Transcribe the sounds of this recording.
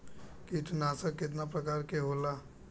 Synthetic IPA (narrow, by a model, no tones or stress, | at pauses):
kit̪naːsəɾkːɪt̪̬napɾəkaːɾkeɦoːlaː